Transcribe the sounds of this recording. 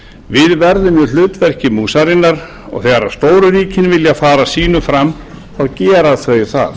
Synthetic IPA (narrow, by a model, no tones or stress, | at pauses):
vɪðvɛɾðʏmjʏl̥ʏːt̪vɛr̥cɪmuːsaɾɪnːaɾ | ɔ̰ɣθɛːɣaɾḁst̪oːwɾʏɾiːcɪnvɪljafaːɾasiːnʏfɾamː | awcɛːɾaðθvœːɥjθa̰ð